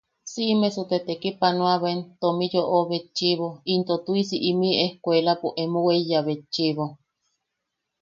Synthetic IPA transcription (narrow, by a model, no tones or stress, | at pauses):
siʔmesut̪et̪ekipanũaβaent̪omijoʔoβet͡ʃiβoint̪ot̪uisiʔimĩʔehkʷelapuʔemuwejaβet͡ʃiβo